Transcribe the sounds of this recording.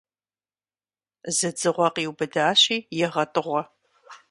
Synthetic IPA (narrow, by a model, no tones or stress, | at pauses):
zɨd͡zɨʁʷɔqiːwbɐdaːɕiːjɛʁɐtʼɨʁʷɔ